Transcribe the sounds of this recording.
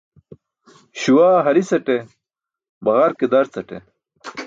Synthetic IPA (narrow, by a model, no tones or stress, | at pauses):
ɕuwaːɦɐɾisɐʈe | bɐɣɐɾked̪ɐɾt͡sɐʈḛ